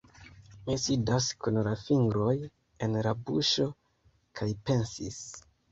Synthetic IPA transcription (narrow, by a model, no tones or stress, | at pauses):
misidaskunlafiŋɡɾo̞j | e̞nɾabuʃo̞ | kʰajpe̞nsis